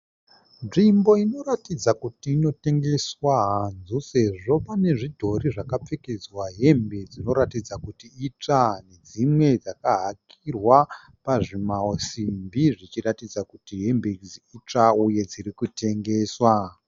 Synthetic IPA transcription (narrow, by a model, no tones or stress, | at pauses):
nʐimbo̞ino̞ɾatid͡zakutiːno̞te̞ŋɡe̞swaɦanzuse̞ʐo̞pane̞ʐidʱo̞ɾiʐakap͡fe̞ke̞d͡zwaɦe̞mbe̞d͡zino̞ɾatid͡zakutiːt͡ʂane̞d͡zimwe̞d͡zakaɦakʰirwa | paʐimaosimbiʐit͡ʃiratid͡zakutiɦe̞mbeziit͡ʂauje̞d͡zirikute̞ŋɡe̞ːswa